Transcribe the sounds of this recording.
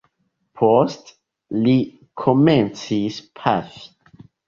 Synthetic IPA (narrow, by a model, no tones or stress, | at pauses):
pʰost | li | kʰomɛ̃nt͡sispʰaf